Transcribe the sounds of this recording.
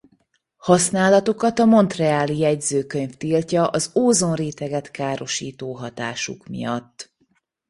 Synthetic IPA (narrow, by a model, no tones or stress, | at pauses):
hɒsnaːlɒt̪o̞kɒt̪ɒmo̞nt̪rɛaːlijɛɟzøːkø̞ɲft̪iːlcɒʔɒzoːzo̞nreːt̪ɛɡɛt̪kaːɾo̞ʃiːt̪oːɦɒt̪aːʃṵkmḭjɒt̪ː